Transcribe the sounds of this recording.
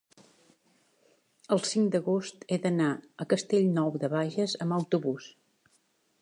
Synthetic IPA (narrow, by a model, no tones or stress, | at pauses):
əlˠsiŋd̪əɣost̪eðənaəkəst̪eʎnɔwðəβaʒəzəməwt̪uβus